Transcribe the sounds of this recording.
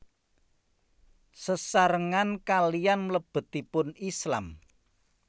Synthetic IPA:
səsaɾəŋankalijanmələb̥ə̤t̪ipʊnisla̰m

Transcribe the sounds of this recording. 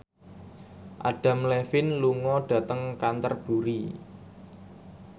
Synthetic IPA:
ʔaɖ̥ä̤mlɛfɪnluŋɔɖ̥a̤t̪əŋkant̪ərb̥uɾi

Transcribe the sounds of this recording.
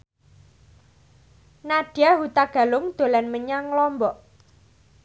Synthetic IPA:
naɖ̥jaɦut̪aɡ̥a̤lʊŋd̪̥o̤lanməɲaŋlɔmbɔʔ

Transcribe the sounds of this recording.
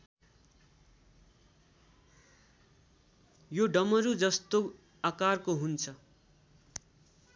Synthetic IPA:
joɖʌmʌɾud͡zʌst̪o | akarkoɦunt͡sʰʌ

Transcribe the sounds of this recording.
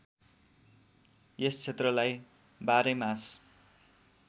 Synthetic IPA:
est͡sʰet̪rʌlaj | baɾemas

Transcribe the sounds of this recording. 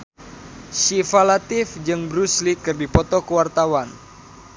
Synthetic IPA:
ʃifalat̪ifd͡ʒɨŋbɾuslikɨrdipɔt̪ɔkəwart̪awan

